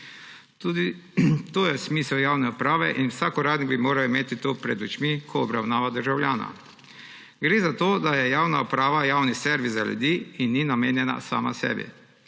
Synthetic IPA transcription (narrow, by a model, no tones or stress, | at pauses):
t̪uːd̪it̪oːjɛsmiːsɛwjawnɛupɾaːʋɛ̰ʔinwsakɔɾaːd̪niɡbimoːɾaimeːt̪it̪opɾɛd̪ut͡ʃmikʰɔːbɾawnaːʋad̪əɾʒawlʲjaːna̰ | ɡɾeːzat̪oːd̪ajɛjaːwnaupɾaːʋajaːwnisɛɾʋizzaljṵd̪iːinːinameːnjɛna̰sa̰ːma̰sɛ̰ːbḭ